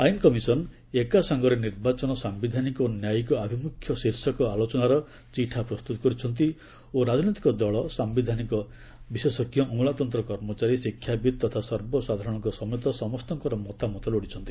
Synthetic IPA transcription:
ajnkɔmisɔn | ekasɔŋɡɔɾeniɾbat͡ʃɔnɔsambid̪ʱanikɔnjajikɔabʱimukʰjɔsiɾsɔkɔalɔt͡ʃɔnaɾɔ | t͡ʃiʈʰapɾɔst̪ut̪ɔ̥kɔɾit͡ʃʰɔnt̪̬i | oɾad͡ʒɔnit̪ikɔd̪ɔɭɔsambid̪ʱanikɔ | bisesɔkijɔʔɔ̃ŋ̃lat̪ɔnt̪ɾɔkɔɾmɔt͡ʃaɾisikʰːjabid̪̚t̪ɔt̪ʰasɔɾbɔsad̪ʱaɾɔɽ̃ɔŋkɔsɔmjɔt̪ɔsɔmɔst̪ɔŋkɔɾɔmɔt̪amɔt̪ɔloɽit͡ʃʰɔnt̪i̥

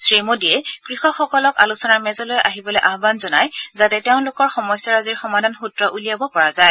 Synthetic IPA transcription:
sɹemodiɛkɹixɔxɔkɔlɔkalusɔnaɹmɛzɔlojʔaɦibɔlojʔaɦbanzɔnajzatɛteʊ̃lʊkɔɹxɔmɔjsjaɹaziɹxɔmadʱanxutɹɔʔulijabɔpɔɹazaj

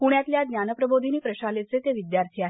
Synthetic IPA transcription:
kuɳjat̪ljad̪njanəpɾəbod̪ʱinipɾəɕalet͡set̪eʋid̪jaɾt̪ʰiaɦ

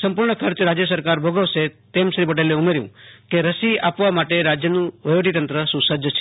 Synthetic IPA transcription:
səmpuɾɳəkʰəɾt͡ʃɾad͡ʒjəs̬əɾkaɾbʱəɡəʋset̪emʃɾipəʈeleumeɾjṵ̃keɾəsiapʋamaʈeɾad͡ʒjənũʋəjʋəʈit̪ənt̪ɾəsũsəd͡ʒʱət͡ʃʰ

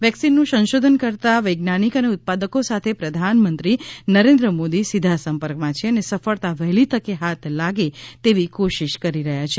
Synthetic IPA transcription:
ʋjɛksinːũsə̃nʃod̪ʱənkəɾt̪aʋəjɡnañikəneʊt̪̚pad̪əkosat̪ʰepɾəd̪ʱanmənt̪ɾinəɾẽnd̪ɾəmod̪isid̪ʱasə̃mpəɾkmãt͡ʃʰeənesəfəɭt̪aʋəɦlit̪əkeɦat̪ʰlaɡet̪eʋikoʃiʃkəɾiɾəɦjat͡ʃʰe

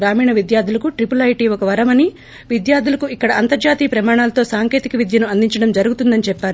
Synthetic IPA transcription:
ɾaːmiːɳɐʋid̪jaːɾd̪ʱulɐkuʈɾipulɐjʈiɔkɐʋɐɾɐmɐni | ʋid̪jaːɾd̪ʱulɐkuikːɐɽɐɐnt̪ɐɾd͡ʒaːt̪iːpɾɐmaːɳaːlɐt̪o̞ːsaːŋke̞ːt̪ikɐʋid̪jɐnuɐnd̪iɲt͡ʃɐɽɐmd͡ʒɐɾuɡut̪und̪ɐnit͡ʃɛpːaːɾu

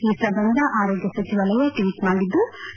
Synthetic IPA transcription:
iːsɐbɐnd̪ʱɐʔaːɾoːɡjɐsɐt͡ʃiʋɐlɐjeʈiʋiʈmaːɽid̪ːu

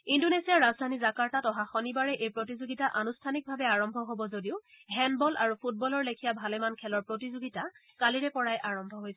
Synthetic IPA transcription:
indonesijaɹazdʱanizakaɹtatɔɦaxɔnibaɹɛʔejpɹot̬izoɡitaʔanustʰanik̚bʱabɛaɹɔmbʱɔɦobɔzodiʊ | ɦɛnbɔlaɹupʰut̚bɔlɔɹlekʰijabʱalɛmankʰɛlɔɹpɹotizoɡita | kaliɹɛpɔɹajʔaɹɔmbʱɔɦojs

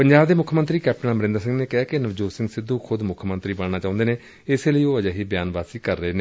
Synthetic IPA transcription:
pəɲd͡ʒaːbd̪eːmʊkʰjəmə̃nt̪ɾiːkɛːp̚ʈənaːməɾɪ̃nd̪əɾsɪ̃ŋɡneːkɛaːkenəʋd͡ʒoːsɪ̃ŋɡsɪd̪ːuːkʰʊd̪mʊkʰmə̃nt̪ɾiːbəɽnaːt͡ʃaːʊ̃nd̪eːneː | ɪseːləiːoːəd͡ʒaːɦiːbjaːnʋaːsiːkəɾːəɦeːneː

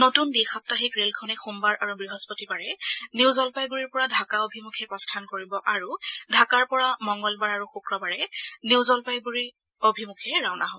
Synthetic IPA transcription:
notundixap̚taɦikɹelkʰɔnɛxumbaɹʔaɹubɹiɦɔspɔtibaɹɛniwzɔlpajɡuɹiɹpɔɹadʱakaobʱimukʰɛpɹɔstʰankoɹibɔʔaɹudʱakaɹpɔɹamɔŋɡɔlbaɹaɹuxukɹɔbaɹɛniwzɔlpajɡuɹi | obʱimukʰɛɹawnaɦɔ

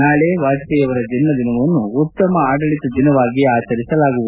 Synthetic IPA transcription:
naːɭeːʋaːd̪t̪ɛjɐʋɐɾɐd͡ʒ̪inːɐd̪inɐʋɐnːuut̪ːɐmɐaːɖɐɭit̪ɐd̪inɐʋaːɡiaːt͡ʃɐɾisɐlaːɡuʋud̪u

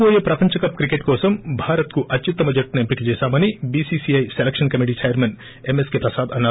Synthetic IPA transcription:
oːjɐpɾɐpɐɲt͡ʃɐkɐp̚kɾikeʈkɔːsɐmbʱaːɾɐt̪̚kuʔɐtːt͡ʃit̪ːɐmɐd͡ʒɐʈːnuemplikit͡ʃɛːsaːmɐnibiːsisiɐjselekʂɐnkɐmiʈ̬iːt͡ʃɐjɐɾmen | emeskeːpɾɐsaːd̪ɐnːɐ

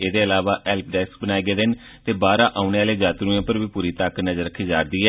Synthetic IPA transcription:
eːd̪eːəlaːʋaːʔɛːlpɖɛːsk̚bənaːeːɡeːd̪ɪn | t̪eːbaːɾãːʔaːʊneːaːleːd͡ʒaːt̪ɾuːẽːpəɾʋiːpuːɾiːt̪aknəzəɾəkʰːiːd͡ʒaːɾd̪iːɦɛː

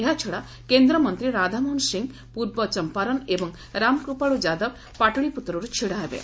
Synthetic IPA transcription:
eɦat͡ʃʰɔɽa | kend̪ɾɔmɔnt̪ɾiɾad̪ʱamɔnsiŋɡ | puɾbɔt͡ʃɔmpaɾɔnebɔŋ | ɾamkɾupaɭud͡ʒad̪ɔb | paʈuɽiput̪ɾuɾut͡ʃʰiɽaɦebḛ

